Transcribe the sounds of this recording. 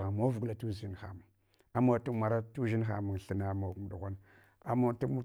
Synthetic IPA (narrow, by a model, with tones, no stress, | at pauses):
a˨mo˦vɡu˨la˨tu˦zi˦n˨xa̰˨mu˨ | a˦ma˨tu˦ma˨ɾa˦tu˦ʒi˦n˦xa˨mu˨ŋ˨ɬə˨na˦ma˨˦m˨ɗu˨ɣʷa˦n | a˦ma˦˨tu˦m˦